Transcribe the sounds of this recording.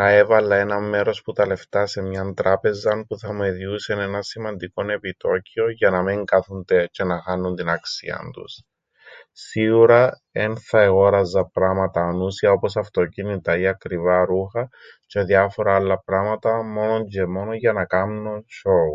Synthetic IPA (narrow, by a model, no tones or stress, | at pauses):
θɐe̞vɐlːɐe̞nɐmːe̞ɾo̞sput̪ɐle̞ft̪ɐse̞mɲɐnt̪ɾɐpe̞zɐnpuθɐmueðiusene̞nɐsimɐnd̪iko̞ne̞pit̪o̞cio̞ʝɐnɐmiŋɡɐθund̪et͡ʃe̞nɐxɐnːunt̪inɐksḭɐ̰nt̪ṵs | siɣuɾɐ | e̞nθɐeɣo̞ɾɐzːɐpɾɐmɐt̪ɐːnusiɐo̞po̞sɐft̪o̞cinit̪ɐiɐkɾivɐɾuxɐ | t͡ʃeðjɐfo̞ɾɐɐlːɐpɾɐmɐt̪ɐmo̞no̞ɲɟe̞mo̞noʝɐnɐkɐmnoʃo̞u